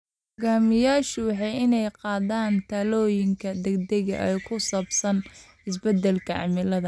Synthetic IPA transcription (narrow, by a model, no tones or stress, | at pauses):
ɡaːmɪjaːʃɪwɑħɑjɪnɛjqɑːðaːnt̪ʰaːlɔːjɪŋkʰɐd̪ɛɡd̪ɛɣɐ̰ʔɛjkʰʊsɐbsɐn | ɪs̬bɛd̪ɛlkʰɐʕɑ̰mɪlɐðɐ